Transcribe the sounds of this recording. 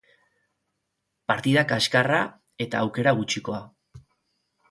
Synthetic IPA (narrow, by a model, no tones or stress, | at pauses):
paɾt̪iðakaskara | e̞t̪aːwke̞ɾaɣut͡ʃiko̞a